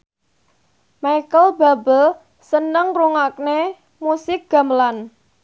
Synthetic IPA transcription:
majkəlba̤bəl | sənəŋruŋak̚ne | musɪk̚ɡ̥a̤məlan

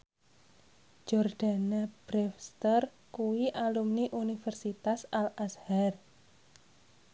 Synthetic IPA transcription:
d͡ʒɔrɖ̥a̤nab̥ɾɛfst̪ər | kuwiʔalumniʔunifɛrsit̪asalʔashar

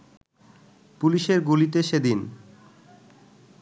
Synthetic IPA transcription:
puliʃeɾɡulit̪̬eʃed̪in

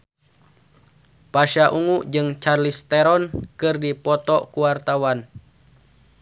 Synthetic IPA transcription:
paʃaʔuŋuʔd͡ʒɨŋt͡ʃarlist̪ɛɾɔnkɨrdipɔt̪ɔkuwart̪awan

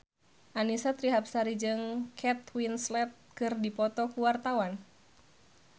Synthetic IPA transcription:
ʔanisat̪ɾiɦapsaɾid͡ʒɨŋkʰɛt̪̚winslɛt̪̚kɨrdipɔt̪ɔkuwart̪awan

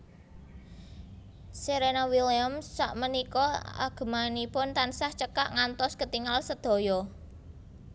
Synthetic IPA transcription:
seɾenawiliamːaʔmənikɔa̰ɡ̥ə̤manipʊnt̪ansaht͡ʃəkaʔŋant̪ɔskət̪iŋalsəd̪̥o̤jɔ

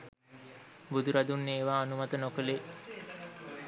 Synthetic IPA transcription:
bud̪uɾad̪unːeːʋaːnumat̪ənokəle

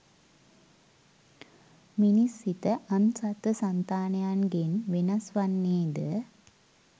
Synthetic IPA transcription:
minisːit̪əʔɐmsat̪əsant̪aːnɐjanɡenʋenɐsʋanːeːd̪ə

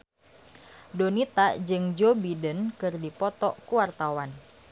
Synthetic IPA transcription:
donit̪ad͡ʒɨŋd͡ʒobidənkɨrdipɔt̪ɔkuwart̪awan

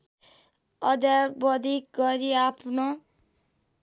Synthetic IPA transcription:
ʌd̪jabʌd̪ʱik̚ɡʌɾiapʰno

